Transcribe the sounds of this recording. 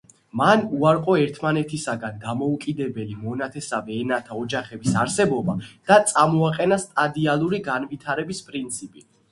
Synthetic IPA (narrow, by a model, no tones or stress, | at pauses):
manuaɾqʼɔɛɾt̪ʰmanɛt̪ʰisaɡand̪amɔukʼid̪ɛbɛlimɔnat̪ʰɛsavɛːnat̪ʰaɔd͡ʒaχɛbisaɾsɛbɔbad̪̥at̪sʼamɔaqʼɛnast̪ʼad̪ialˠuɾiɡanvit̪ʰaɾɛbispʼɾint̪sʰipʼi